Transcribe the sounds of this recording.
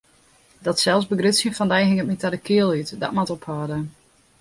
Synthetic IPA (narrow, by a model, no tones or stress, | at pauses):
dɔtsɛlˠsbəɡrøtsjənfɔndɛjɦɪŋətmitadəkʰɪəlˠytdɔ̰tmatɔphɔːdə